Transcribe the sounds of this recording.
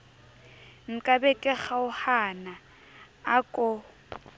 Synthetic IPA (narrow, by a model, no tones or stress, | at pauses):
ŋ̩kʼabɛkʼɛχaʊhanaː | kʼɔ